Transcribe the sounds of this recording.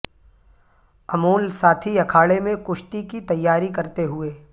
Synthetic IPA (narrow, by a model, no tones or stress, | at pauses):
ɐmuːlsaːt̪ʰiɐkʰaːɭemẽkʊʃt̪ikit̪ɐjːaːɾikɐɾt̪eɦʊeː